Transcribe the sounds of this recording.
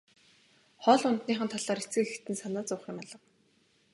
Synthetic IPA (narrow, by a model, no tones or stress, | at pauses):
χɔɮʊnt̪niːχə̆nt̪ʰaɮaːɾet͡sɡɘ̆kekt̪ɘ̆nsanaːt͡sʊːχɪ̆maɮə̆w